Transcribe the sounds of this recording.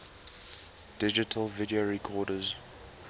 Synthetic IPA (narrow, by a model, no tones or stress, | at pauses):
d̥ɪd͡ʒɪtʰəlˠvɪdioɹɛkʰɔːdəz